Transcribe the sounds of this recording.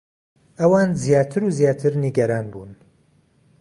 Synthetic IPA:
ʔɐwaːnzjaːt̪ʰɨɾuːzijaːt̪ʰɨɾniɡɐɾaːnbṵːn

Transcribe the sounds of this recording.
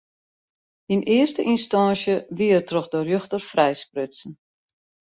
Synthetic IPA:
inɪərstəʔinstɑnsjəʋiərtrɔxdərjøxtərfrɛjsprøsn̩

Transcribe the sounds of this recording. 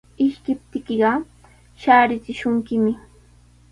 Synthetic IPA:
ɪʃkɪp̚t̪ɪkeɢɑ | ʃaːɾɪt͡sɪʃʊŋkɪmɪ

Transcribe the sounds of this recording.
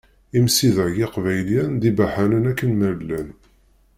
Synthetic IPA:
imsiðəjɪqvæjljænd̪ibaħænənækːənmælːæn

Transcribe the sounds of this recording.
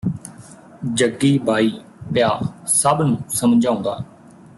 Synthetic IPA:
d͡ʒəɡiːbʱaːiː | pjaːsəbnũːsəmd͡ʒãːʊ̃nd̪a̰ː

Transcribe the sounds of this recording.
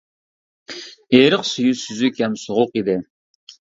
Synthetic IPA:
eːɾəqsyjysyzykʲhɛmsoʁʊqid̪ɪ

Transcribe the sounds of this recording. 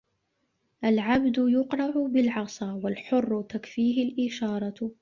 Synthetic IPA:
ʔalʕabd̪ʊjʊqɾˤɑʕʊbɪlʕɑsˤɑwalħʊrˤːʊt̪akfiːɦɪlʔɪʃɑːɾˤɑ

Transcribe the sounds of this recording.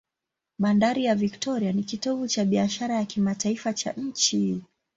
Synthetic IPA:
ɓandaɾijaviktɔɾianikitɔvut͡ʃaɓiaʃaɾajakimataifat͡ʃa̰ɲ̩t͡ʃi

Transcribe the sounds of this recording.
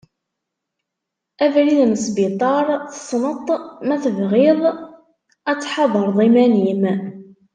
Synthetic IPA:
ævɾiðnəsbit̪ˤɑɾˤθə̥sˤnət̪ˤːmæθəvʁɪðˤ | æt͡sːħɑðˤəɾˤðˤimænim

